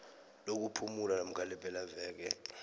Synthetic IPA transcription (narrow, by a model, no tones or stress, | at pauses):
lok̬upʰumulanam̩kʰalɛbʼɛlavɛːk̬ɛ̰